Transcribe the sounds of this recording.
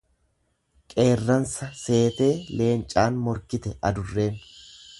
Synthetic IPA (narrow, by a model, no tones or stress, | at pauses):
kʼe̞ːrːɐnsɐse̞ːt̪e̞ːle̞ːnt͡ʃʼaːnmɔɾkɪt̪ɛʔɐd̪ʊrːe̞ːn